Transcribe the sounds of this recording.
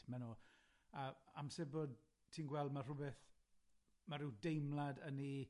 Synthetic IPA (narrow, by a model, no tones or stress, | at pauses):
mano | aamsɛboːd̚ | tʰiːnɡwɛlˠdmar̥ʊbɛθ | maɾɪwdejmlˠadəni